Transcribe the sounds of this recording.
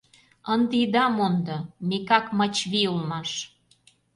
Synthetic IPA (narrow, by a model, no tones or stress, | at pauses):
ənd̪id̪ɑmond̪omekɑkmɑt͡ɕβiulmɑʃ